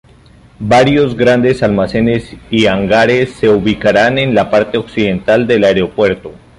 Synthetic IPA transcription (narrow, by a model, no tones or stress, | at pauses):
baɾjo̞zɡɾand̪esalmase̞ne̞siaŋɡaɾe̞sːe̞uβikaɾane̞nlapaɾt̪e̞o̞ksiðe̞nt̪ald̪e̞laeɾeo̞pwe̞ɾt̪o